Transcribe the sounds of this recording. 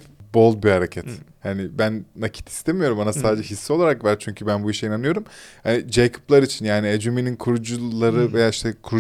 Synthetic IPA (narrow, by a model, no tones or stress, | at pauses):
bo̞lˠd̪bihaɾecʰɛt̪hanɪbænːacʰi̥t̪ʰi̥st̪ʰemijo̞ɾumanasaːd̪ed͡ʒɛɦisːio̞lˠaɾakvæɾt͡ʃʰyɲcʰybænbuiʃijinanɯjo̞ɾumhanid͡ʒejkʰu̥plˠaɾit͡ʃʰinjaːnied͡ʒumininkʰuɾud͡ʒulˠaɾɯve̞jaːiʃt̪ʰɛkʰuɾ